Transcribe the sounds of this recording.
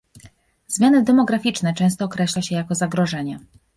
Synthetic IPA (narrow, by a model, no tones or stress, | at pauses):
z̥mʲjanɘd̪ɛmɔɡɾafʲit͡ʂnɛt͡ʂɛ̃w̃st̪ɔːkɾɛɕlaɕɛjakɔzaɡɾɔʐɛɲɛ